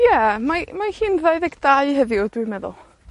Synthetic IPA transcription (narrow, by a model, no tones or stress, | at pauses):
jɛmamahiːnvaɨðɛɡd̥aiɦəðɪʊdwimɛðʊ̰lˠ